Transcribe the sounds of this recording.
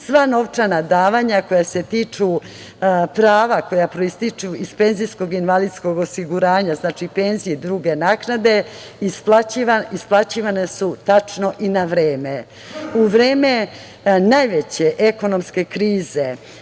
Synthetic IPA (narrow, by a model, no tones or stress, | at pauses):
sʋaːno̞ʋt͡ʃanad̪aːʋaɲako̞jase̞t̪it͡ʂu | pɾaːʋako̞japɾoist̪it͡ʃuispe̞nzijsko̞ɡinʋalid̪sko̞ɡosiɡuɾaːɲaznaːt͡ʃipe̞nzijid̪ɾuːɡe̞naknad̪e̞ | isplˠat͡ɕiʋaisplˠat͡ɕiʋanesut̪at͡ʃno̞ʔinaʋɾeːme | uʋɾe̞ːme̞ | najʋet͡ɕe̞ʔeko̞no̞mske̞kɾiːze